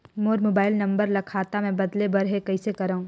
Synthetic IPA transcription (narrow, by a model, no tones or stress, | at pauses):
moːɾmoːbaːɪlnɐ̃mbəɾlɐkʰaːt̪amɛ̃ːbɐd̪lebɐɾɦekɐisekɐɾaːũː